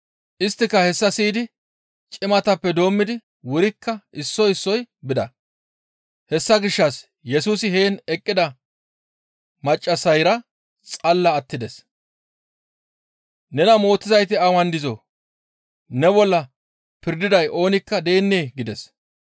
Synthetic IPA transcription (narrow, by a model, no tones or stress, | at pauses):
ʔɪst̪ːɪkːɐhɛsːɐsiːd̪ɪ | t͡ʃʼɪmɐt̪ɐpːɛd̪o̞ːmːɪd̪ɪ | wʊɾɪkːɐʔɪsːɔɪsːɔjbɪd̪ɐ̰ | hɛsːɐɡɪʃːɐs | jɛsuːsɪhe̞ːnɛkʼːɪd̪ɐ | mɐt͡ʃʼːɐsɐjɾɐ | t͡sʼɐlːɐːt̪ːɪd̪ɛs | nɛnɐmo̞ːt̪ːɪzɐjt̪ɪɐwɐnd̪ɪzo | nɛbɔlːɐ | pɪɾd̪ɪd̪ɐjʔo̞ːnɪkːɐd̪e̞ːnːeːɡɪd̪ɛs